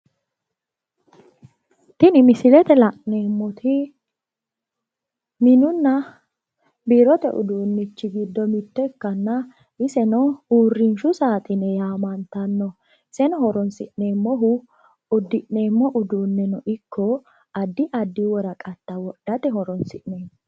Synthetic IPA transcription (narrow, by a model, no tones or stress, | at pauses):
t̪ɪnɪmɪsɪlɛt̪ɛlɐʔneːmːɔt̪ʰɪ | mɪnʊnːɐ | biɾɔt̪ɛ̰ʔʊ̰d̪uːnːɪt͡ʃːɪɡɪd̪ːɔmɪt̪ːɔkːɐnːɐ | ɪsɛnɔuːrːɪnʃʊsaːt̪ʼɪnɛjaːmɐnt̪ɐnːɔ | ɪsɛnɔɦɔɾɔnsɪ̰ʔneːmːɔɦʊ | ʊd̪ːɪʔne̞ːmːɔʔʊd̪uːnːɛnɔʔɪkːɔ | ɐd̪ːɪʔɐd̪ːɪwɔɾɐkʼɐt̪ːɐwɔɗːɐt̪ɛhɔɾɔnsɪʔneːn